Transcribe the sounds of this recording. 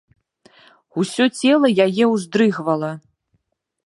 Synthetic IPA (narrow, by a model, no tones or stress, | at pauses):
usʲɔt͡sʲɛlˠɐjajɛwzd̪ɾɨɣvɐlˠɐ